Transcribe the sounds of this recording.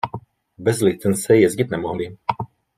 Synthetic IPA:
bɛzlit̪t͡s̪ɛnsɛjɛzɡit̪nɛmɔɦli

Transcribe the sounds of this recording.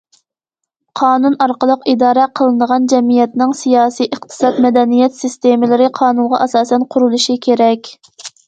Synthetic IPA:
qʰɑːnunɑɾqəlˠəqid̪ɑːɾɛqʰəlˠɨnəʁɑnd͡ʒɛmijɛt̪nɪŋsijɑːsijʔəχt̪ʰɨ̥sɑt̪mɛd̪ɛnijɛt̪sist̪emɪlɪɾɪqʰɑːnunʁɑ̰ʔɑsɑːsɛnqʰʊɾulˠuʃikʲʰeɾɛkʲ

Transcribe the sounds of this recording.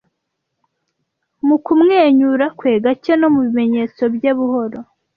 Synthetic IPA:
mukumŋe̞ːɲuɾakwe̞ːɡaceno̞muβime̞ɲe̞ːt͡so̞bjeβuho̞ɾo̞

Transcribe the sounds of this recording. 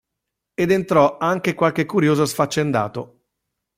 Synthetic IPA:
ed̪ent̪ɾɔaŋk̟ekwalk̟ekːuɾjoːzosfat͡ʃːend̪a̰ːt̪o

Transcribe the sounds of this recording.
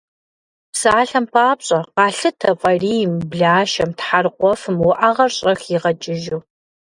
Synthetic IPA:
psaːɬɐmpʰaːpɕʼɐqɑːɬɨtʰɐfʼɐriːjmbɮaːʃɐmtħarqʷɔfɨmwʊʔaʁɐrɕʼɐxiʁɐt͡ʃʼɪʒuː

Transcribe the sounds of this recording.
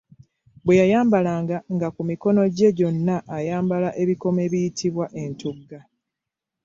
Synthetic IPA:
bwe̞jajaːmbalaːŋɡaŋɡakumiko̞no̞ɟe̞ɟo̞nːaʔːjaːmbalaʔe̞βiko̞me̞βijitʰiβwaʔe̞ntuɡːa

